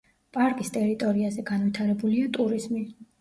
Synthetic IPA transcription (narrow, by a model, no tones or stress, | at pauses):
pʼaɾkʼist̪ʼɛɾit̪ʼɔɾiazɛɡanvit̪ʰaɾɛbuliat̪ʼuɾizmi